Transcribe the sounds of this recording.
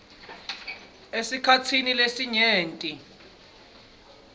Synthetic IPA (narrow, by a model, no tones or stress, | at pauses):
esikʰat͡sʰinilesiɲeːntʼi